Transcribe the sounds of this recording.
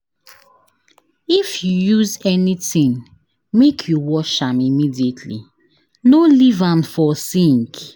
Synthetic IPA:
ifjujuzɛnitĩŋ | mekʰjuwɔʃãmimidietʰlḭ | nolivãmfɔsĩŋk

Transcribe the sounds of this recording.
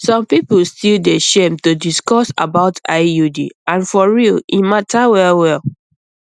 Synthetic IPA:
sɔ̃mpiplstildeʃẽmtodiskɔsa̰baʊtaɪjudḭãnfɔɹilĩmatʰawɛwɛl

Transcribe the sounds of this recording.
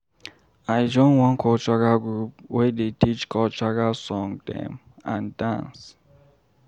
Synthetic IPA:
ajd͡ʒɔ̃nwɔ̃nkʰɔt͡ʃakaɡɹup̚wɛdetit͡ʃkʰɔt͡ʃakasɔ̃ŋdɛ̰m | ã̰ndã̰ns

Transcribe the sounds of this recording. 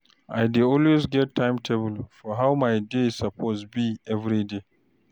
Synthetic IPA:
ʔajdeɔlwezɡɛtʰːãjmtʰebəlfɔɦawmajdesapʰosbiʔɛvɾide

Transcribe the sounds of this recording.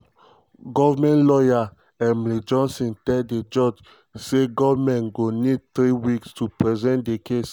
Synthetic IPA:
ɡɔvamɛ̃nlɔja | ɛ̃nmlid͡ʒɔ̃nsɔ̃ntɛded͡ʒɔd͡ʒ | seɡɔvmɛ̃nɡonid̚t̪ɾiwikstupɹɛzɛ̃ntdekes

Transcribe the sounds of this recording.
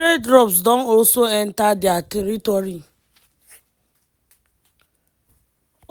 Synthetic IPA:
edɾɔpsdɔ̃nɔlsoɛntadɪatɛɾitɔɾi

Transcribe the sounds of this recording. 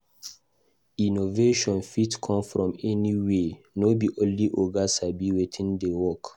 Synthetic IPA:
inoveʃɔ̃nfitkʰɔ̃mfɹɔ̃mɛniwe | nobiʔõnliʔoɡasabiwetʰĩndewɔk

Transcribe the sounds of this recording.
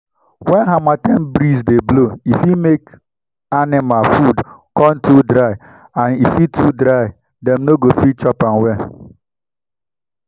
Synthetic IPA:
wɛnɦamatɛm̩bɾizdebloifimek | anɪmalfudkɔn̩tudɾaɪ | anifitʰudɾaɪ | dɛmnoɡofit͡ʃɔpanwɛn

